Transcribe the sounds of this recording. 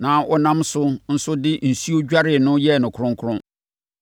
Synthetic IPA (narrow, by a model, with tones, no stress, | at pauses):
nã˨˦ʔɔ˦nã˦msʊ˦n̩˦sʊ˦dɪ˦n̩˨su˦o˦d͡ʑᶣa˦ɾɪ˨nʊ̃˦jɛ˦˨nʊ̃˨kʰʊ˨ɾʊ̃˦ŋ˦kʰʊ˦ʊ̃˦